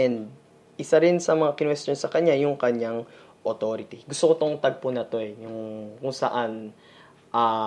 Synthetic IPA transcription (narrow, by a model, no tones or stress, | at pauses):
ʔɛnd̪̚ | ʔɪsaɾɪnsɐmɐŋakɪnwɛst̪jonsɐkɐɲajʊŋkɐɲaŋ | ʔot̪o̞ɾɪt̪iɡʊst̪okot̪oŋt̪ɐɡ̚pʊnɐt̪o̞ɛjʊŋkʊŋsɐʔan | ʔaː